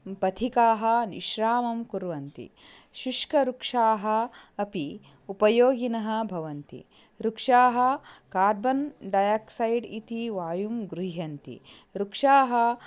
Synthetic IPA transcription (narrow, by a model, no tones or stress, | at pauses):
pɐt̪ʰikaːɦɐ̆nḭʃɾaːmɐmkuɾʋɐnt̪ḭ | ʃuʂkɐɾukʂaːɦɐ̆ːpi | upɐjoːɡinɐɦɐ̆bʱɐʋɐnt̪ḭ | ɾukʂaːɦɐ̆kaːɾbɐnɖɐjaksɐjɖit̪iʋaːjumɡɾuɦɐnt̪ḭɾukʂaːɦɐ̆